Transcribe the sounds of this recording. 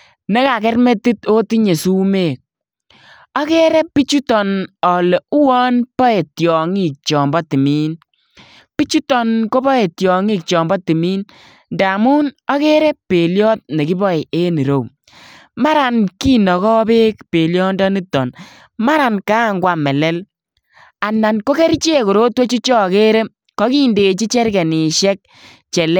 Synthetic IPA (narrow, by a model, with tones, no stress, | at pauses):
ne˦ka˨kɛ˦rme˦ti˦to˦ti˦ɲe˨su˦me˨k̚ | ɔ˦kɛ˦ɾɛ˦pːi˦t͡ʃu˦tɔ˨nɔ˨le˨u˦wɔ˦npɔ˦e˨tjɔ˨ŋi˦k̚t͡ʃɔ˨mbɔ˦ti˨mi˦n | pi˦t͡ʃu˦tɔ˨nko˦bɔ˦e˨tjɔ˨ŋi˦k̚t͡ʃɔ˨mbɔ˦ti˨miː˦n | nda˨mu˦nɔ˦ke˦ɾe˦pe˨ljɔ˦t̚ne˨ki˦bɔ˦i˨e˦ni˨ɾo˨w | ma˦ɾa˨nki˦nɔ˨kɔ˦be˦kpe˨ljɔ˦ndɔ˦ni˦tːɔ˨n | ma˦ɾa˨nka˦˨ŋɡwa˨mɛ˨lɛ˦l | a˨nːa˨nko˦ke˦ɾt͡ʃe˦ko˨ɾo˦two˦t͡ʃu˦t͡ʃɔ˦˨ke˦ɾɛ˦ | kɔ˦ki˦nde˨t͡ʃi˦t͡ʃɛ˦ɾkɛ˨ni˨ʃɛ˦k̚ | t͡ʃɛ˨lɛ˦